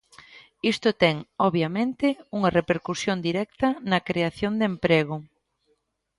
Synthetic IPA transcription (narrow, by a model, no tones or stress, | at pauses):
ist̪ʊt̪ɛŋɔβjamẽnt̪ɪuŋɐrepeɾkusjond̪iɾɛk̚t̪ɐnɐkɾeaθjond̪empɾeɣ̞ʊ